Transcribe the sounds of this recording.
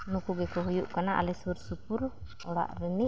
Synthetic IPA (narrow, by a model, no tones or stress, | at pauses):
nukuɡɛkɔɦujuʔkanaʔa̰lɛsuɾsupuɾ | ɔɽa̰ʔɾɛni